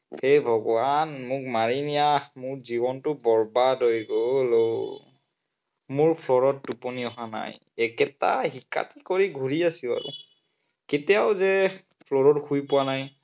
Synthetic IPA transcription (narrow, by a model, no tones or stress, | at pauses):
xejbʱɔɡɔanmʊk̚maɹinijamʊɹzibɔntʊbɔɹbadojɡolo | mʊɹpʰlɔɹɔt̚ːuponiɔɦana̰j | ɛkɛta̰hika̰tikoɹiɡʱuɹiasila̰ɹṵ | ketijawzɛ | pʰlɔɹɔtxujpʊwanaj